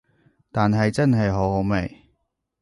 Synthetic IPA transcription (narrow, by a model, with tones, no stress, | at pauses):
t̪aː˨nɦɐ˨jt͡sɐ˥nɦɐ˨jɦo˨˥˨me˨˩j